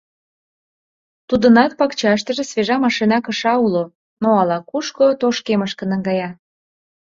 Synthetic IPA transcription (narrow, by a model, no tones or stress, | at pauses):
t̪ud̪ənɑt̪̚pɑkt͡ɕɑʃ̬t̪ə̆ʒĕsβeʒɑmɑʃinɑkəʃɑulo | noɑlɑkuʃkot̪oʃkeməʃkə̆nəŋɡɑjɑ